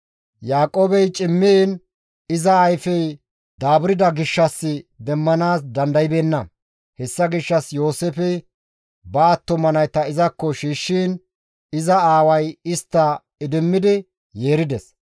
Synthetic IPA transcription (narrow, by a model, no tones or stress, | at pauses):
jaːkʼoːbɛjt͡ʃʼɪmːin | ɪzɐːjfɛj | d̪aːbɾɪd̪ɐɡɪʃːɐsːɪd̪ɛmːɐnaːsd̪ɐnd̪ɐjɪbeːnːɐ | hɛsːɐɡɪʃːɐsjo̞ːsefɛ | bɐːt̪ːɔmɐnɐjt̪ɐɪzɐkːɔʃiːʃːiːn | ɪzɐaːwɐjɪst̪ːɐ | ɪd̪ɪmːɪd̪ɪ | je̞ːɾɪd̪ɛs